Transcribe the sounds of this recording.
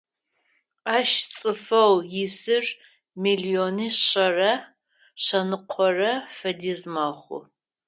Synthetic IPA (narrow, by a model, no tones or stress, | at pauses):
aːʃt͡sʼɨfɐwjɪsɨr | milioniːɕɐrɐ | ɕɐnɨqʷʰɔrɐfɐdizmɐχʷʊ̰